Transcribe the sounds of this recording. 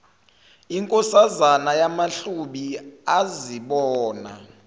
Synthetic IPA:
iŋkʼɔsazanajamaɬuɓiaziɓɔːna̰

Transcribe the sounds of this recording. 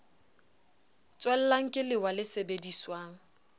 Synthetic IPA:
t͡sʼwɛl̩laŋ̩kʼɪlɪwalɪsebediswaːŋ̩

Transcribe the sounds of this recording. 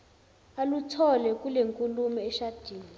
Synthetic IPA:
alutʰɔlɛkʼuleŋkʼulumɛːʃad̥ʱiːni

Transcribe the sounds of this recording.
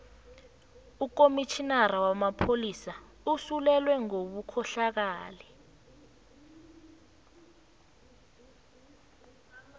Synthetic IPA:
uk̬omit͡ʃʰinaɾawamapʰolisa | usulɛlwɛŋoɓukʰɔɬak̬aːlɛ

